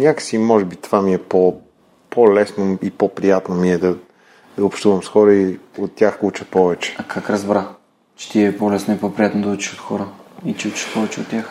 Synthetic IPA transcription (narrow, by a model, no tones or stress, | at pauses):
nʲakə̥simɔʒɛbit̪ovamiɛpo | pʰolɛsnoipopɾijat̪nomiɛd̪ɐ | d̪ɐʊpʃt̪uvɐmsxɔɾəiot̪ːʲjaxut͡ʃəpɔvɛt͡ʃɛ̥akʰakɾɐzbɾa | t͡ʃɛ̥t̪iɛɛpolɛsnoipɔpɾijat̪nod̪ɐut͡ʃi̥ʃot̪xɔɾəit͡ʃɛut͡ʃi̥ʃpɔvɛt͡ʃɛot̪ːʲjax